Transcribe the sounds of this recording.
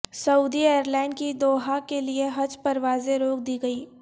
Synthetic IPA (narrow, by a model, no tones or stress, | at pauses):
sɐuːd̪ieːəɾlɛ̃ːɳɖ̚kid̪oːɦakelieɦɐd͡ʒpɐɾʋaːzẽɾoːk̚d̪iːɡɐiː